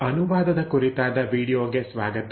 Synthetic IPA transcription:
ɐnuʋaːd̪ɐd̪ɐkuɾit̪aːd̪ɐʋiːɽijoːɡe̞sʋa̰ːɡɐt̪

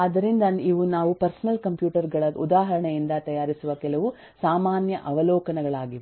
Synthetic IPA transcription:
ɐd̪ɐɾind̪ɐniʋunaːʋupɐɾsɐnɐlkɐmpjuːʈɐɾɡɐɭɐud̪aːɦɐɾɐɳejind̪ɐt̪ɐjaːɾisuʋɐkɛlɐʋu | saːmaːnjɐʔɐʋɐlɔːkɐnɐɡɐɭaːɡiʋ

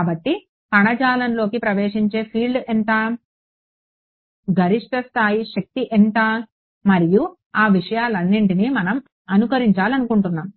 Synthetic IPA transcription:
kaːbɐʈːi | kɐɳɐd͡ʒaːlɐnlo̞ːkipɾɐʋeːʂiɲt͡ʃe̞ːpʰiːlɖɛnt̪aː | ɡɐɾiʂʈɐst̪ʰaːjiʃɐk̚t̪iʔent̪a | mɐɾiju | aːʋiʂɐjaːlɐnːiɳʈinimɐnɐm | ɐnukɐɾiɲt͡ʃaːlɐnukuɳʈunːaːm

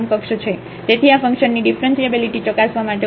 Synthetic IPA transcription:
mkəkʃət͡ʃʰe | t̪et̪ʰiafəŋkʃənːiɖifɾənsiəbiliʈit͡ʃɔkasʋamaʈe

